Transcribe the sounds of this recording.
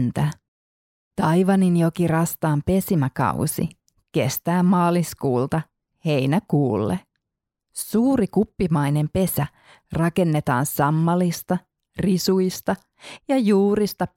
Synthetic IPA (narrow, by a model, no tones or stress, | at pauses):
nt̪æ | t̪ɑjʋɑninjokirɑst̪ɑːmpe̞simækɑ̰wsḭ | kḛst̪æːmːɑːliskuːlt̪ɑ | he̞jnækuːlːe | suːɾikupːimɑjne̞mpe̞sæ | rɑke̞nːe̞t̪ɑ̰ːnsɑmːɑlist̪ɑ | risujst̪ɑ | jɑjuːɾist̪ɑ